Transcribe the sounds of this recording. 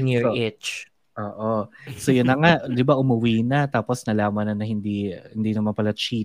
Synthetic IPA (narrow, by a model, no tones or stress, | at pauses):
ŋoɪt͡ʃ | ʔoːʔosojʊnːɐŋad̪ɪbaʔʊmɐwiːnɐt̪aːposnɐlaːmɐnːɐnɐhɪnd̪ihɪnd̪inɐmɐnpɐlɐt͡ʃit̪̚